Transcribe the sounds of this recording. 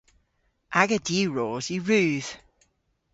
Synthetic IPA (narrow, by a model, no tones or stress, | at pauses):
ʔaɡədiːɹɔːzjəɹʉːð̥